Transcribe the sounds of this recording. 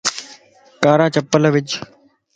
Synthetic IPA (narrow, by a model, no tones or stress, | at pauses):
kaːɾaːt͡ʃəpːələʋɪd͡ʒ